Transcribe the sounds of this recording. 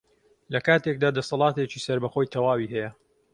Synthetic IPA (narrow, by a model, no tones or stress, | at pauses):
lɐkaːt̪ek̚d̪aːd̪ɐsɑlˠɑːt̪et͡ʃiːsɐɾbɐxo̞ːjt̪ʰɐwaːwiɦɛjɐ